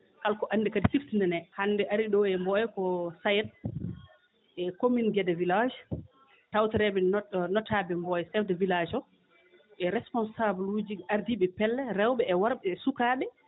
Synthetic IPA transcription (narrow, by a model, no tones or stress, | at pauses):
kalkɔʔandɛkadisiftinɛnɛhandɛʔaɾiɗɔɛmbɔjɛkɔsajɛt̚ | ʔɛkominɡɛdɛvilad͡ʒ | tawtɛɾɛbɛnɔtaːbɛmbɔjɛsɛfdɛvilad͡ʒɔ | ʔɛɾɛspɔnsablud͡ʒiaɾdiːɓɛpɛlːɛɾɛwɓɛːwaɾɓɛːsukaːɓɛ